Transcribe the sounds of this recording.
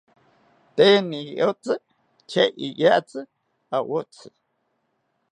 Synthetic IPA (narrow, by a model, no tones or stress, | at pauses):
t̪eniʔot͡sʼɨ | t͡ʃʰeijaʔt͡sɨ | awot͡sʰɨ̥